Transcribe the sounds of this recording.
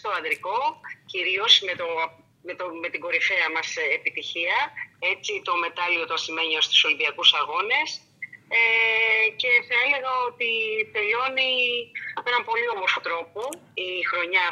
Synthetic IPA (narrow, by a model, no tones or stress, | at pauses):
st̪o̞ɐd̪ɾiko̞ciɾio̞sme̞t̪o̞ | met̪ome̞t̪iɡo̞ɾife̞ɐmɐsepit̪içiɐe̞t͡sit̪o̞me̞t̪ɐliot̪oɐsime̞ɲiost̪u̥so̞limbiɐkusɐɣo̞ne̞s | ece̞θɐe̞le̞ɣɐo̞t̪it̪e̞ʎo̞niɐpoe̞nɐmpo̞lio̞moɾfo̞t̪ɾo̞poixɾo̞ɲɐ